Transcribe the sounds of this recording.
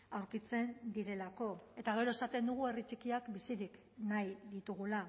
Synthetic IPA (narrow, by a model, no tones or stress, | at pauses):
awɾkit͡se̞nd̪iɾe̞lako̞e̞t̪aɣ̞e̞ɾo̞e̞sat̪e̞nd̪uɣ̞ue̞rit͡ʃikiakbisiɾik | najðit̪uɣ̞ula